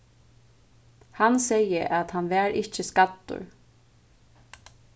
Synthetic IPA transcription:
hansɛjəʔat̪hanʋɛːɾʔɪht͡ʃəskat̪ːʊ̰ɹ

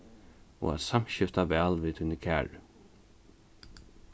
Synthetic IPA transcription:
ɔ̰a̰ðsamɕɪft̪aʋɛːlviːt̪ʰunəkʰæːɹ

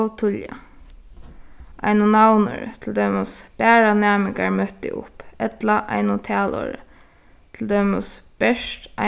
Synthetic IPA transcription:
wt̪ʰʊlja̰ | ʔa̰ɪnʊnawnʊ̰ɾt̪ʰɪld̪œʏmʊsb̥æːɹanæːmɪŋka̰ɹmœt̪ɪ̰ʔʊ̰pɛt̪laʔa̰ɪnʊt̪ʰæːlɔ̰ːɾə̰ | t̪ʰɪld̪œmʊsb̥ɛʃtʔa

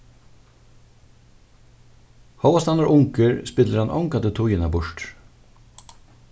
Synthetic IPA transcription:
hɔwʋast̪anaɾʔʊŋkəɹspɪt̪ləɾhanʔɔ̰wŋkat̪ɪt̪ʰʊjɪnabʊʂʈ

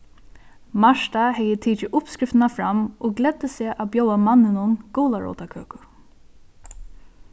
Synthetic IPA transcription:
maʂt̪ahɛjət̪ʰiːt͡ʃɪʔʊpskɾɪft̪ɪnafɾamʔɔɡlɛd̪̥əseːʔawbjoːwamanːɪnʊnɡoːlaɹɔ̰ːt̪akʰø̰ːkʊ

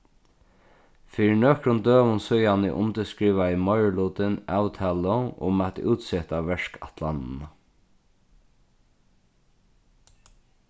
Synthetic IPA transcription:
fiːɾɪnøːkɾʊnd̪øːʋʊnsʊjanɪ̰ʔʊ̰nt̪əskɹiːʋaɪmɔʏɹluːt̪ɪnawt̪ʰaːlɔʊ̰mat̪ʔuːt̪sɛt̪aʋɛʂkat̪ʰlannə

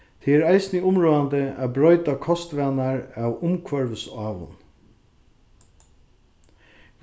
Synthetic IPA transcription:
t̪ʰɛæɾæɪsnɪʊmɾuːand̪əæ̰ːbɾɔʏt̪akʰɔst̪ʋæːnaɹæwʊmkʰʋœɹʋəsaːʋʊ̰n

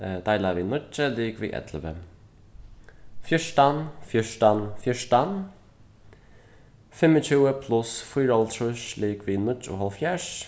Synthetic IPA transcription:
d̪ajlaviːnʊt͡ʃəliːkvḭːʔɛ̰t̪ʰləvə | fjɪʃtanfjɪʃtanfjɪʃtan | fɪmət͡ʃuːəpʰlʊsfiːɹɔltʰɹʊʃliːkviːnʊt͡ʃʊ̰ɦɔlfjɛʃ

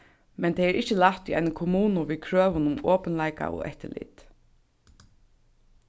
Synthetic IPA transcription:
mɛnt̪ʰɛjɛɾʔɪht͡ɕɪlaht̪iʔajnʊkʰɔmuːnʊʋiːðkʰɹøːʋʊnʊmɔːpənlajka̰ʔɔ̰ɛ̰ht̪ɪlḭːt̪

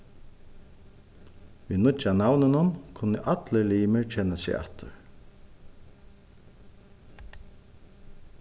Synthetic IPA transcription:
vinʊt͡ʃanawnɪnʊnkʰʊnːə̰ʔat̪ləɹliːmɪɹt͡ʃʰɛnːasɛ̰a̰ht̪ʊ̰ɹ

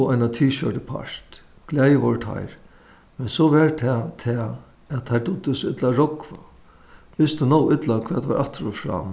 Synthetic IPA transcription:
ajnat̪ʰiːʃœʈəpʰa̰ɹ̥t̪ | ɡ̥lɛːjəʋɔɾət̪ʰa̰jɾ | mɛnsɔvɛɹt̪ʰɛːt̪ʰɛː | æt̪t̪ʰːajd̪ʊt̪ːɪsɔɪt̪laɾɔkva̰ | ʋɪst̪ɪnɔwɪt̪lakʰvɛ̰ːt̪va̰ɾʔaht̪ɾʊfɾa̰ːm

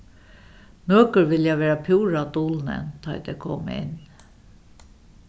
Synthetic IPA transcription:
nøːkəɾʋɪljaʋeːɾapʰuːɾat̪uːlnə̰nt̪ʰɑ̰ɪd̪ɛkʰɔm̰ɪ̰n

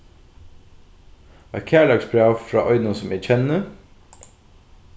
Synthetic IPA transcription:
æ̰kʰæːɭɑɡsbʰɹɑːʋfɾɑ̰ːʔœʏdnənsɔmæc͡çʰɛnə

